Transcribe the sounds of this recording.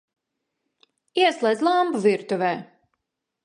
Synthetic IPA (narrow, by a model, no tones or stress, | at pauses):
iɛslˠɛjd̪zʲlˠambuviɾt̪uvɛː